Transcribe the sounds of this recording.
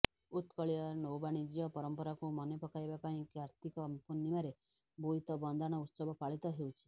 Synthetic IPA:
ut̪kɔɭijɔnowbaɽ̃id͡ʒijɔpɔɾɔmpɔɾakumɔnepɔkajbapaĩkjaɾt̪ikɔmpunːimaɾe | buit̪ɔbɔnd̪ʱaɽ̃ɔut̪sɔbʱɔpaɭit̪ɔɦewt͡ʃʰi̥

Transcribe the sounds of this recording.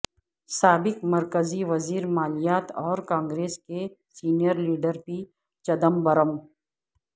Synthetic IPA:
saːbɪkmɐɾkəziʋɐziːɾmaːlijaːt̪ɔːɾkãːŋɡɾeːskesiːnijəɾliːɖəɾpi | t͡ʃɐd̪əmbɐɾəm

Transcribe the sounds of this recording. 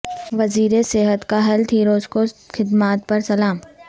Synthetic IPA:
ʋɐziːɾeseːɦət̪kaɦɐlt̪ʰiːɾoːskoxɪd̪maːt̪̚pɐɾsɐlaːm

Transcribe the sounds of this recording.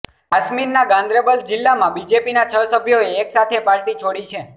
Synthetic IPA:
asmiɾnaɡãnd̪ɾəbəld͡ʒɪlːamãbid͡ʒepinat͡ʃʰəsəbʱjoeːksat̪ʰepaɭʈit͡ʃʰoɽit͡ʃʰe

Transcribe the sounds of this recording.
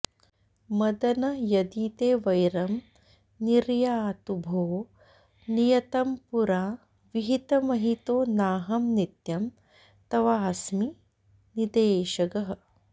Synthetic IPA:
mɐd̪ɐnɐjɐd̪iːt̪eːʋɐjɾɐm | niɾjaːt̪ubʱoː | nijɐt̪ɐmpuɾaː | ʋiɦit̪ɐmɐɦit̪oːnaːɦɐmnit̪jɐm | t̪ɐʋaːsmi | nid̪eːʃɐɡɐɦɐ̆

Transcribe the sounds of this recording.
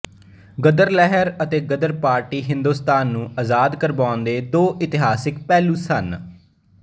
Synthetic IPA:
ɡəd̪əɾlɛɦəɾət̪eːɡəd̪əɾpaːɾʈiːɦɪ̃nd̪uːst̪aːnːũːəzaːd̪kəɾbaːʊnd̪eːd̪oːʔɪt̪ɪɦaːsɪk̚pɛːluːsən

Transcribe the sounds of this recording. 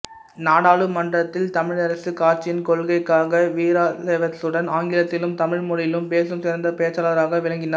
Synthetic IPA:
naːɽaːɭɯmɐndrɐt̪ːɪlt̪ɐmɪɻɐɾɐsɯkaːɾt͡ʃːɪjɪnkɔɭɣɐɪkːaːɣɐʋiːɾaːlɛʋɐt̪ːɯɽɐnaːŋɡɪɾɐt̪ːɪlɯmt̪ɐmɪɻmʊɻɪjɪlɯmpeːsɯmsɪɾɐnd̪ɐpeːt͡ʃːaːlɐɾaːɣɐʋɪɻɐŋɡɪna

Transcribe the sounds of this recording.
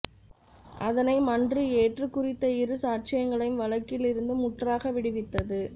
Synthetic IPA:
ʔɐðɐnɐɪmɐndrieːʈrɯkːʊrɪt̪ːɐɪɾɯsaːʈ̚t͡ʃɪjɐŋɡɐɭɐɪjmʋɐɭɐkːɪlɪɾɯnd̪ɯmʊʈraːɣɐʋɪɽɯʋɪt̪ːɐðɯ

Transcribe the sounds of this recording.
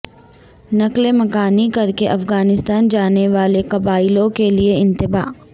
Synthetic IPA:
nɐklemɐkaːnikɐɾkeʔɐfɣaːnɪst̪aːnd͡ʒaːneʋaːlekɐbaːɪlõkelieɪ̃nt̪ɪba̰ː

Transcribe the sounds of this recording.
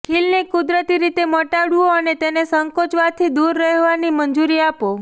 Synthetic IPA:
kʰilnekʊd̪ɾət̪iɾit̪eməʈaɽuoənet̪enesəŋkot͡ʃʋat̪ʰid̪uɾːəɦʋanimənd͡ʒuɾiapo

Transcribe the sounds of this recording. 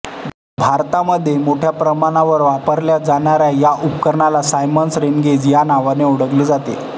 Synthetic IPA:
bʱaɾt̪aməd̪ʱːjemoʈʰjapɾəmaɽ̃aʋəɾʋapəɾljad͡zaɳaɾjajaʔupkəɾɳalasajmənsɾenɡed͡zjanaʋaneuɽəɡləd͡zat̪ḛ

